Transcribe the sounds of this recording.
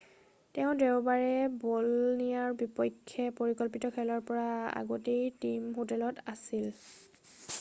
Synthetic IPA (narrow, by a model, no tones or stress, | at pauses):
tɛʊ̃dɛʊbaɹɛbɔlnijaɹbipɔjkʰːjɛpoɹikɔlpitɔkʰɛlɔɹpɔɹaa̰ɡotejtimɦotɛlɔtasil